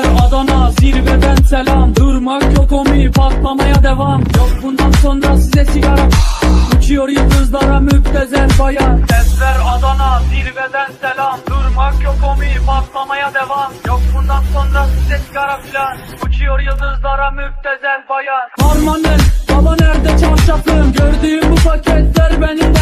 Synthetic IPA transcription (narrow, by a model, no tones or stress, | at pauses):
ɾɑd̪ɑnɑziɾvɛd̪ænsɛlʲɑmd̪uɾmakʰokomiɾpʰat̪lˠamɑjad̪ɛvɑmjokbund̪ɑnso̞nɾɑsizɛsiɡɑɾapilʲnbut͡ʃʰujoɾjɯzɯzlˠɑɾamyb̚t̪ʰːɛzæɾbɑjɑɾɛsvæɾɑd̪ɑnɑd̪iɾvɛd̪ænsɛlʲɑmd̪uɾmɑkʰokʰomiɾpʰat̪lˠɑmɑjad̪ɛvɑmjokbund̪ɑnso̞nɾasizɛsiɡɑɾapʰilʲɑn | but͡ʃʰujoɾjɯzˠɯzlˠɑɾamyb̚t̪ʰɛzæɾbɑjɑhaɾmɑnɯnb̪ɑmɑnæɾd̪ɛt͡ʃʰɑʃɑt̪ʰɯmɟøɾd̪yːymbupacʰɛt̪lʲæɾbɛnind̪ɛ